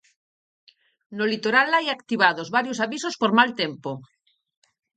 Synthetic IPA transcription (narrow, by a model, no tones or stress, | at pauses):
nolit̪oɾalajakt̪iβaðozβaɾjosaβisospoɾmalt̪empo